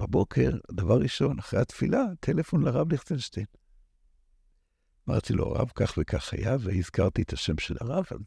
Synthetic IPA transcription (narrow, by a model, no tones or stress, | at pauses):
babo̞kʰe̞̰ʁd̪avaʁːiʃo̞naχʁeat̪filat̪ʰe̞lefo̞nlaʁavliχt͡selʃten | ama̰ʁt̪ilʔo̰a̰ʁa̰vkaχvekʰaχa̰javeizkaʁt̪iet̪ʰaʃe̞mʃela̰ʁava̰l